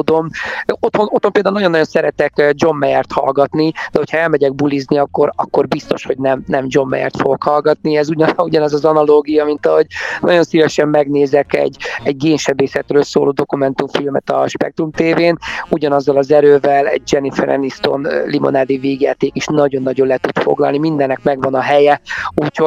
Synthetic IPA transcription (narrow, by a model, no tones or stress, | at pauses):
d̪o̞mot̪ho̞no̞t̪hompeːld̪aunɒɟo̞nːɒjo̞nsɛɾɛt̪ɛkd͡ʒo̞mːɛjɛrt̪hɒ̰lɡɒt̪nid̪̥ɛɦo̞chɒɛlmɛɟɛɡ̚bulizniɒkːo̞ɾɒ̰kːo̞rbist̪o̞ʃho̞ɟnɛmnɛmd͡ʒo̞mːɛ̰jɛ̰rt̪foɡokhɒlɡɒt̪̚niɛzuɟɒuɟɒnɛzɒzɒnɒloːɡijɒmint̪ɒɦo̞ɟnɒɟo̞nsivɛʃɛmːɛɡneːzɛkɛ̰ɟːɛɟ̚ɡeːɲʃɛbeːsɛt̪røːlsoːloːd̪o̞kumɛnt̪uɱfilmɛ̰t̪ɒ̰ʃpɛ̰k̚t̪ɾumt̪eːveːnuɟɒnɒzːɒlɒzɛɾøːvɛlɛ̰ɟ̚d͡ʒɛnifɛ̰ɾɛ̰nist̪o̞̰nlimo̞̰naːd̪iveːɡja̰ːt̪eːkiʃnɒɟo̞nːɒɟo̞nlɛt̪ut̪fo̞̰ɡlɒ̰lnimind̪ɛnːɛkmɛɡʋɒnɒɦɛjɛuːcho